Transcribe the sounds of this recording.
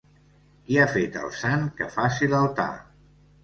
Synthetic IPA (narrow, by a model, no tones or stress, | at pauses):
kiafet̪ə̰lˠsaŋkəfasiləlˠt̪a̰